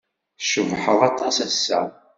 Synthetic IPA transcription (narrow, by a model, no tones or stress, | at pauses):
ʃəvħəðˤɑt̪ˤːɑsæsːæ̰